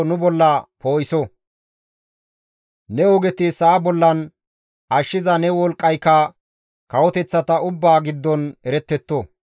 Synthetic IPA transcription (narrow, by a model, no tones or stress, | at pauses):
nʊbɔlːɐpoːjɪsɔ | nɛɔɡɛt̪ɪsɐːbɔlːɐn | ɐʃːɪzɐnɛwɔlkʼːɐjkːɐ | kɐwɔt̪ɛt͡sːɐt̪ɐʊbːaːɡɪd̪ːɔnɛɾɛt̪ːɛt̪ːo